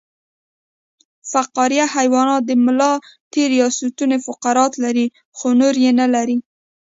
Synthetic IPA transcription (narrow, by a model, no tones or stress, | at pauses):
faqɑɾijahajwɑnɑd̪əmʊlɑt̪eɾjɑsut̪unefʊqaɾɑt̪laɾi | xonoɾjenalaɾi